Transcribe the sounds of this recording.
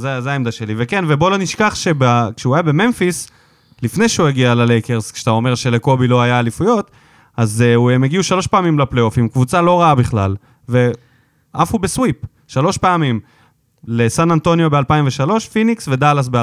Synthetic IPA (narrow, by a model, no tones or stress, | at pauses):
zezeaemd̪aʃe̞livekenvebo̞loniʃkaχʃe̞bakʃeuajabe̞me̞nfis | lifne̞jʃeueɡialalejkeʁskʃat̪ao̞me̞ʁʃe̞leko̞bilo̞ajaːlifujo̞t̪ | azuemeɡiuʃalo̞ʃpeamimlaplejo̞fimkvut͡salo̞ʁaabiχlal | ve̞ | ʔafubeswip | ʃalo̞ʃpeamim | lesanant̪o̞njo̞bealpaimveʃalo̞ʃfiniksve̞d̪alas̬be